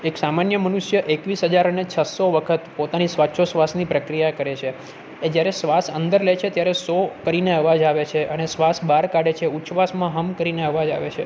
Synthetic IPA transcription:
eksamanjəmənuʃjəʔekʋisɦəd͡ʒaɾənet͡ʃʰəsoʋəkʰət̪pot̪anisʋatːʃʰosʋasnipɾəkɾijakəɾet͡ʃʰe | ed͡ʒjaɾesʋasənd̪əɾlet͡ʃʰet̪jaɾesokəɾineəʋad͡ʒaʋet͡ʃʰeʔənesʋasbaɾkaɽet͡ʃʰeut͡ʃʋasmãɦəmkəɾineəʋad͡ʒa̰ʋḛt͡ʃʰḛ

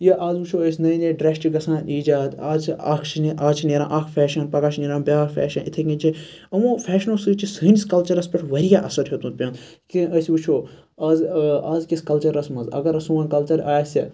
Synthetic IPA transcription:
jɐʔaːzʋut͡ʃʰoːəsʲnɐjnʲeɖɾesʈiɡɐsãːnʔiːd͡ʒaːt̪aːt͡ʃʰaːkʰt͡ʃʰiniʔaːt͡ʃʰineːɾã̰ːʔakʰfʰʲɛːʃɐnpɐkaːʃniːɾãːbʲaːɾfʲɛ̰ːʃɐnit̪ʰekĩt͡ʃʰĩ | ɐmõːfʰɛːʃnosɨt͡ʃisɐːniskɐlt͡ʃɐɾɐspʲeʈʋɐɾijaːʔɐsɐɾɦʲot̪ũt̪̚pʲɐ̃nd̪ | kiəsʋut͡ʃʰoː | ɐzaːzkiskɐlt͡ʃɐɾɐsmɐnzɐ̰ɡɐɾɐsũɐnkɐlt͡ʃɐɾaːjsʲɐ

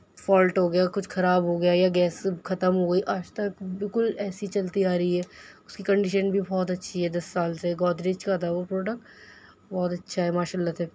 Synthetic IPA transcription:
fɔːlʈɦoːɡɐjakʊt͡ʃʰxʰɐɾaːbɦoɡɐjajaɡɛːsxɐt̪əmɦoːɡɐiʔaːd͡ʒt̪ɐkbɪlkʊlɛːsit͡ʃɐlt̪iaːɾɐiɦɛːʊskikɐ̃ɳɖɪʃənbʱibɔːt̪ɐtːʃʰiɦɛd̪ɐsːaːlseɡɔːd̪ɾeːd͡ʒkat̪ʰaopɾoːɖək̚ʈ | bɔːt̪ɐtːʃʰaɦɛmaːʃaːlːat̪ʰɛː

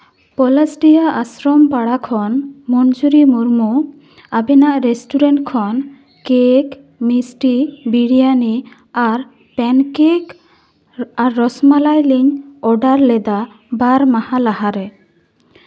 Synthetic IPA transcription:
pɔlasɖijaʔasɾɔmpaɽakʰɔnmɔnd͡ʒuɾimuɾmu | abɛnaʔɾesʈuɾɛɳʈkʰɔn | kek | misʈibiɽijani | aɾ | pɛnkek | aɾːɔsmalajliɲɔɖaɾlɛd̪a | baɾmahalahaɾɛ

